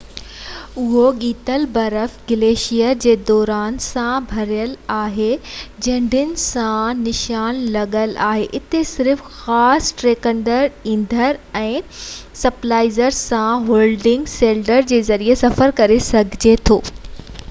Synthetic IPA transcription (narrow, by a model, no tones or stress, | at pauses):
ʊɦoɠiːt̪əlbɐɾəfɡɪleːʃijəd͡ʑeːd̪ɔːɾaːnsãbʱɐɾijəlaːɦed͡ʑɐ̃ɦɳɖʱɪnɪ̆sãnɪʃaːnlɐɠəla̰ːɦeʔɪt̪esɪɾfxaːsʈɾeːkə̃ɳɖəɾĩːnd̪ʱəɾɛ̃ːsɐplaːɪzəɾsãɦoːlɖɪ̃ŋɡseːlɖəɾd͡ʑeːzɐɾiesɐfəɾkɐɾesɐɡʱɪd͡ʑet̪ʰoː